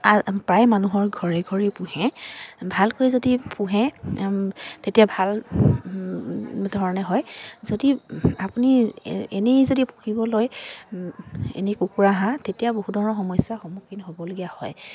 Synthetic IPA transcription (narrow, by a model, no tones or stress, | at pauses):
apɹajmanuɦɔɹɡʱɔɹɛɡʱɔɹipuhɛ̃bʱalkojzodipũɦɛ̃ | tetijabʱal | dʱɔɹɔnɛɦɔjzodiapunḭḛnezodipukʰibɔloj | ḛnekukuɹaɦãtetijaboɦudʱɔɹɔnɔɹxɔmɔjsjaxɔmukinɦobɔloɡijahɔj